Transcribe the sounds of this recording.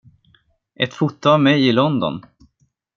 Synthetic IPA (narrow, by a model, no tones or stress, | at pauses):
ʔɛt̪fʊt̪ːʊavmɛjɪlɔnd̪ɔ̰n